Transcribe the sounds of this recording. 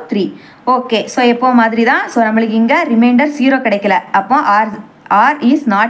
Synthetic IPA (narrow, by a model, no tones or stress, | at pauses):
t̪ɾiː | oːkeːsoːɛpːoːmaːðɪɾit̪ãːsoːnɐmɐɭɪkɪŋɡɐɾɪmɛɪɳɖɐɾsiːɾoːkɪɽɐɪkːɐlɐɐpːõʔːɾ | aːɾisnaːʈ